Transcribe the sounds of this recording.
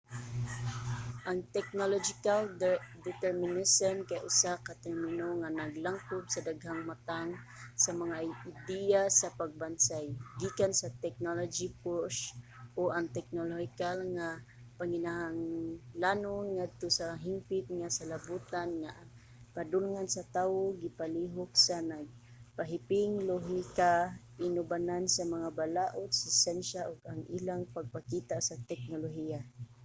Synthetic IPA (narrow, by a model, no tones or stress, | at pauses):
ʔaŋt̪ɛk̚nolod͡ʒikald̪ɛt̪ɛɾminesɔnkajaʔʊsakat̪ɛɾmɪnoŋanaɡlaŋkʊbsadaɡɦaŋmat̪aŋ | samaŋaid̪iasapaɡ̚bansajɡikansat̪ɛk̚nolod͡ʒipoʃʔoʔaŋt̪ɛk̚nolohikalŋa | paŋinaɦaŋlanʊnŋad̪̚t̪ʊsaɦimpɪt̪̚ŋasalabut̪anŋaʔaŋ | padʊlŋansat̪aːwoɡipaliɦʊksanaɡ̚ | paɦipɪŋloɦika | ɪnʊbanansamaŋabalaʔot̪̚sasɛnʃaʔʊɡaŋḭlaŋpaɡ̚pakit̪aʔsat̪ɛk̚noloɦia